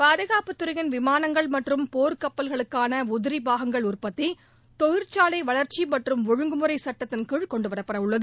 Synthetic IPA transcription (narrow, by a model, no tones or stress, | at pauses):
paːðɐɣaːpɯt̪ːɯɾɐɣɪnʋɪmaːnɐŋɡɐɭmɐʈrɯmpoːɾkɐpːɐlɣɐɭɯkːaːnɐʊðɪɾibaːɣɐŋɡɐɭʊrpɐt̪ːɪ | t̪ɔɣɪɾt͡ʃaːlɐɪʋɐɭɐɾt͡ʃimɐʈrɯmʋʊɻɯŋɡɯmɯɾɐɪsɐʈːɐt̪ːɪnkiːɻkɔɳɖɯʋɐɾɐpːɐɾɐʋɯɭːɐðɯ